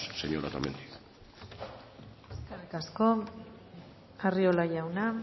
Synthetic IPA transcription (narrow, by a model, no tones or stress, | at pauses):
sseɲoɾat̪amend̪ik | e̞skerikasko̞ | ario̞laʝawna